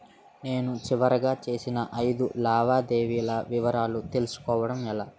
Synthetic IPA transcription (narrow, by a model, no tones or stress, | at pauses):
ne̞ːnut͡ʃiʋɐɾɐɡaːt͡ʃe̞ːsinɐʔɐjd̪ulaːʋaːd̪eːʋiːlɐʋiʋɐɾaːlut̪e̞lusu̥kɔːʋɐɽɐmɛlaː